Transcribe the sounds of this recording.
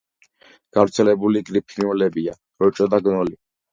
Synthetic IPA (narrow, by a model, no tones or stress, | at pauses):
kaɾt͡sʰelebuliɡɾipʰinɔlebija | ɾot͡ʃʼɔd̪aɡnɔli